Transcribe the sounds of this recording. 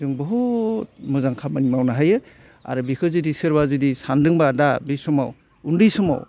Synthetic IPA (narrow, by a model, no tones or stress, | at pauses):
zɯŋbɔɦut̚mɯzaŋkʰamanimawnaɦajɯ | a̰ɾɯbikʰɯzɯdisɯɾbazɯdisandɯŋbadabisɔma̰w | undɯjsɔma̰w